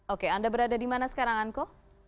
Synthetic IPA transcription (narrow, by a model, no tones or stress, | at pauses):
okeandabəɾadadimanasə̥kaɾaŋanko